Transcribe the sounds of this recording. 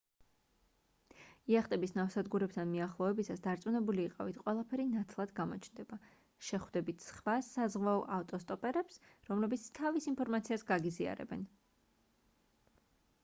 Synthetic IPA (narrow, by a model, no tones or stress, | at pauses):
iaχt̪ʼɛbisnafsad̪ɡuɾɛp̚t̪ʰanmiaχlˠɔɛbisasd̪aɾt̪sʼunɛbuliːqʼavit̪ʰqʼwɛlˠapʰɛɾinat̪ʰlˠad̪ɡamɔt͡ʃʰnd̪ɛba | ʃɛχwd̪ɛbit̪ʰsχvasazʁwaɔʔaft̪ʼɔst̪ʼɔpʼɛɾɛpsɾɔmlɛbit̪sʰt̪ʰavisinpʰɔɾmat̪sʰiasɡaɡizia̰ɾɛ̰bɛn